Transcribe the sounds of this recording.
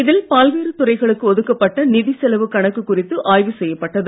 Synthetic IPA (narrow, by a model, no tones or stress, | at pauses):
ɪðɪlpaːlʋiːɾɯt̪ʊrɐɪɣɐɭɯkːɯɔðɯkːɐpːɐʈːɐnɪðisɛlɐʋɯkɐɳɐkːɯkːʊrɪt̪ːɯʔaːjʋɯsɛjːɐpːɐʈːɐðɯ